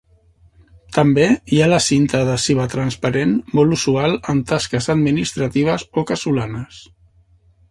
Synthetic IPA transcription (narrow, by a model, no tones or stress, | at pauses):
t̪əmbeialəsint̪əðəsiβət̪ɾənspəɾenmɔluzualˠəmt̪askəzəd̪minist̪ɾət̪iβ̞əzokəsulanəs